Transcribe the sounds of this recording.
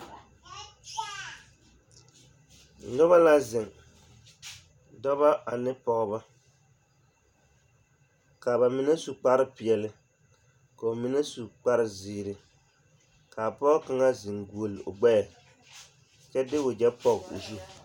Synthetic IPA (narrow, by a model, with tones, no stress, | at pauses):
nɔ˦βa˦la˦zɪ˨ŋ | dɔ˦βa˦ʔa˨nɪ˦pɔ˨ɣba˦ | ka˨ba˨mi˦na˦su˨k͡pa˦ɾɨ˦pi˨ɛ˨lɨ˨ | ka˨o˨mi˦na˦su˨k͡pa˦ɾɪ˦ziː˨ɾɨ˨ | ka˨pɔ˦ka˦ŋa˦zɪ˨ŋɡu˨o˨lo̰˨ɡ͡bɛ˦ja˨ | t͡ʃɛ˦dɪ˦ʊ˨d͡ʒɛ˦pɔ˦ɣṵ˨zi˦˨